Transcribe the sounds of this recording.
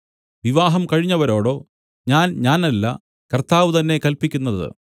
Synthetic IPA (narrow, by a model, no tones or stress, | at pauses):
ʋiʋaːɦɐmkɐɻiɲːɐʋɐɾo̞ːɽo̞ː | ɲaːnɲaːnɐlːɐ̰ | kɐrt̪aːʋɨt̪ɐnːe̞kɐlpikʲːunːɐðɨ̰